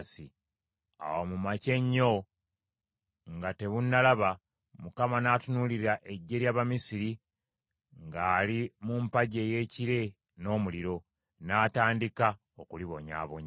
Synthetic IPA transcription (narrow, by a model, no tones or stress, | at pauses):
si | a̰womumace̞ɲːo̞ | ŋɡate̞βunːalaβa | mukamanaːtunuliɾɾaʔe̞ɟːe̞ɾjaːβamisiɾi | ŋɡaːlimumpaɟe̞ːje̞ːciɾe̞ | no̞ːmuliɾo̞ | naːtaːndika | okuliβo̞ɲa̰ːβoɲ